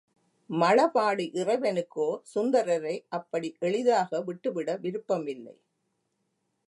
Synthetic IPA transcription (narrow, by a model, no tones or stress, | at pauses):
mɐlɐpaːɽiʔɪrɐɪʋɛnɯkːoːsʊnd̪ɐɾɐɾɐɪʔɐpːɐɽiʔɛɭɪðaːɣɐʋɪʈːɯʋɪɽɐʋɪɾɯpːɐmɪlːɐ̰ɪ